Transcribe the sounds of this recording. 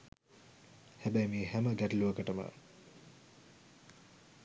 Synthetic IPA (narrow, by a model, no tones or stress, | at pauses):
hæbæjmiːɦæməɡæʈiluəkəʈəmə̰